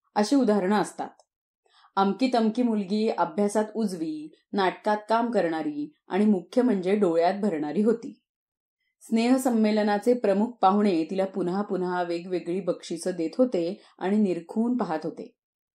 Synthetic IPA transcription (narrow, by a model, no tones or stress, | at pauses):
əɕiːud̪aɦaɾɳ̃əəst̪a̰t̪ | əmkiːt̪əmkiːmulɡiːəbʱjasat̪ud͡zʋiː | naʈkat̪̚kamkəɾɳ̃aɾiː | a̰ɽ̃imukʰjəm̤əɳd͡zeɖoɭjat̪̚bʱəɾɳ̃aɾiːɦot̪iː | sneɦsəmːelənat͡sepɾəmuk̚ʰpaʋɳet̪ilapunɦapunɦaʋeɡʋeɡɭiːbəkʂit͡səːd̪et̪ɦot̪e | a̰ɽ̃iniɾkʰuːnpaɦat̪ɦot̪ḛ